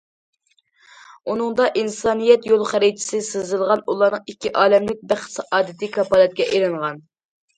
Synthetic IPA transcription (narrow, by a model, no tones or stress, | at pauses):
unɨŋd̪ɑʔinsɑːnijɛt̪jolˠχæɾɪt͡ʃʰɪ̥sɪsɨzɨlˠʁɑnulˠɑɾnɨŋikʲːiʔɑːlɛmlɪk̚ʲbæχsɑʔɑːd̪ɪt̪ʰɨkʰɑpɑːlˠɛt̪̚kʲɛʔeɾɨŋʁɑn